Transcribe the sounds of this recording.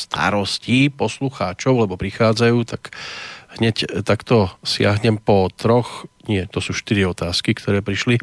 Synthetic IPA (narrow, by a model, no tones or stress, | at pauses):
st̪a̰ɾɔsciːpɔsluxaːt͡ʃɔʊlɛbɔpɾixaːd͡zajuːt̪aɡɦɲɛct̪akt̪ɔsɪaɦɲɛmpɔt̪ɾɔxɲɪɛt̪ɔsuːʃt̪iɾiɔt̪aːskikt̪ɔɾɛːpɾiʃli